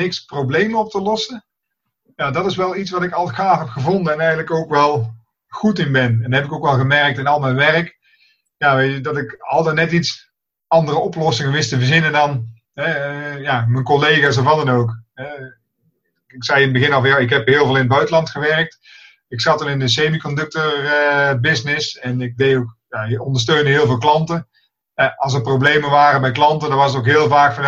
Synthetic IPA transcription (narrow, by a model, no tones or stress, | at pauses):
ɪksprowblejmənɔp̚təlɔsə | jaːdɑtɪsʋɛlˠitsʋɑtɪkɑlˠxaːfɦɛpχəvɔndənɛnɛjɣənləkowkʋɛlˠ | χutɪnbɛnɛndaɦɛpɪkowkʋɛlˠɣəmɛɹək̚tɪnɑlˠmɛjnʋɛrək | jaːʋejtədɑtɪkɑlˠdənɛtits | ɑndərəɔplɔsɪŋənʋɪstəvəɹzɪnəndɑn | ɦɛjaːmənkolejɣaːsɔfʋɑtdɑnowkɛ | ɪksɛjɪnbəɣɪnɑlˠvjaɪkɦɛpɦɪːlˠvɪːlˠɪnəd̚bœɥtəlɑntxəʋɛrk̚t | ɪksɑtɑnɪndəs̬ejmikɔndɵk̚tərəbɪsnɪsɛnɪk̚dejtowkjaəɔndəs̬tøɥndəɦɪːlˠvɪːlˠklɑntə | ɛɑlˠs̬əprowblejmənʋaːrənbɛjklɑntəndɔɑnʋɑsətowkɦɪːəlˠvaːkfɑn